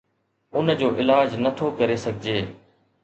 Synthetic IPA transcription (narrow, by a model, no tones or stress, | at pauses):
ʊnd͡ʑoːʔɪlaːd͡ʑnət̪ʰoːkəɾesɐɡʱɪd͡ʑeː